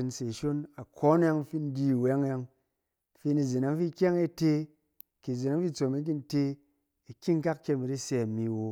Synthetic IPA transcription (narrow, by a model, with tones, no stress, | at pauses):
i˧nse˨ʃo˦na˨kʰɔ˦n˦a˧ŋfi˧n̩˦di˦˨wa˦ŋ˦a˧ŋ | fi˧ni˧zi˨na˧ŋ˦fi˦kʲa˦ŋe˧te˧ | ki˨zi˨na˨˦ŋfi˦t͡so˨me˧˦ki˦n˦te˧ | i˨ki˦ŋ˦ka˦kkʲe˧mi˨ɾi˦se˧˨mi˧wo˧